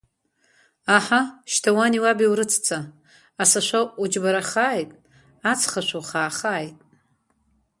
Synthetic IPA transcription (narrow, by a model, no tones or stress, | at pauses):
aħaʃtʰawaniwabiwɾɨt͡sʰt͡sʰaː | saʃʷaud͡ʒbaɾaχaːjtʼ | at͡sʰχaʃʷowχaːχaːjtʼ